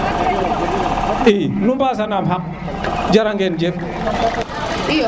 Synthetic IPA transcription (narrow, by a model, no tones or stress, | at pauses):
inumbas̬anamɦak̚ | d͡ʒaɾaŋɡend͡ʒef